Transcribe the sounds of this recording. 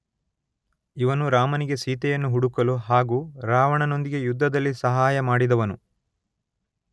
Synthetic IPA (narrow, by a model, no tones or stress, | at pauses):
iʋɐnuɾaːmɐniɡe̞siːt̪ɛjɐnːuɦuɽukɐluɦaːɡuːɾaːʋɐɳɐno̞nd̪iɡe̞jud̪ʱːɐd̪ɐlːisɐɦaːjɐmaːɽid̪ɐʋɐnu